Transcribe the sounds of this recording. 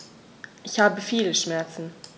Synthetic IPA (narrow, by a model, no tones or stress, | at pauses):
ʔɪçhaːbəfiːləʃmɛɐt͡sn̩